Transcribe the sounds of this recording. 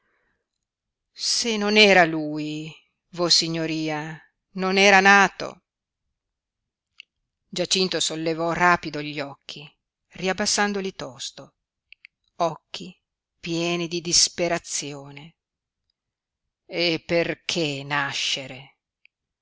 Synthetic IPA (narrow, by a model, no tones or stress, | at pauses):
senonɛːɾaluːj | vosiɲːoɾiːa | nonɛːɾanaːt̪o̰ | d͡ʒat͡ʃint̪osolːevɔraːpid̪oʎːɔkʰːi | riabːasːand̪olit̪ɔst̪o | ɔkʰːi | pjɛːnid̪id̪ispeɾat̪sːjoːne | epːerkʰenaʃːeɾe